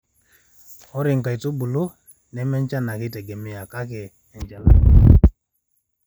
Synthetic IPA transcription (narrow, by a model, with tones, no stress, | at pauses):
ɔ˦ɾi˨ŋ˨ka˨i˨to˦bu˨lu˦ | nɛ˨˦mɛ˦nt͡ʃa˦na˨ki˦tɛ˨ɡɛ˨mi˦ja˨ka˦kɛ˨ | ɛ˨ɲd͡ʒa˦la̰˨